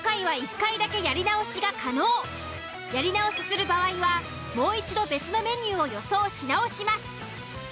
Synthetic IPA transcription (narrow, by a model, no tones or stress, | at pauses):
okaiβ̞aikːaid̪ake̞jaɾʲinaoɕiɡakʰano̞ː | jaɾʲinao̞si̥sɨɾɯ̟baβaiβa | mo̞ːit͡ɕid̪o̞be̞t͡sɨno̞me̞ɲ̟ʲɨːo̞jo̞so̞ːɕinao̞ɕimasɨ̥